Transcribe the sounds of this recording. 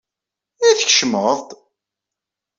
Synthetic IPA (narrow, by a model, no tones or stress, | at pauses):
iθəçʃməðˤt̪ˤ